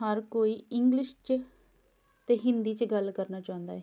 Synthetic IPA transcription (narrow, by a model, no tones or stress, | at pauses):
ɦəɾkoːiːɪŋɡlɪʃt͡ʃ | t̪eːɦɪnd̪iːt͡ʃɡəlkəɾnaːt͡ʃaːʊ̃nd̪aːɛː